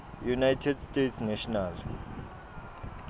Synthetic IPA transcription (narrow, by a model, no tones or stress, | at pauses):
junajtʰɛdstʼetʰsnɛʃɔnal